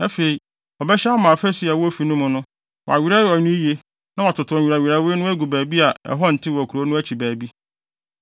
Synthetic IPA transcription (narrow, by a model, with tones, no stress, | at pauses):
æ˦fe˨i˨ | ɔ˨bɛ˦ɕɛ˦a˦mãː˨fæ˦si˦a˨wɔ˦o˦fi˨nʊ̃˦mʊ̃˨nʊ̃˦ | wʔɔ̰˨a˨ɥi˨˦ɾa˦ɔ˨nʊ̃˦ji˦e˦ | nã˦wa˨tʰʊ˨tʰʊ˨ɔ̃˨ɥi˨ɾa˨ɥi˨ɾa˦we˦nʊ̃˦æ˦ɡu˨bæː˨bi˦a˨ɛ̰˨ɦɔ˦n̩˨tʰɪ˦wɔ˨kʰu˨ɾo˨˦nʊ̃˦æ˦t͡ɕʰi˨bæː˨bi˦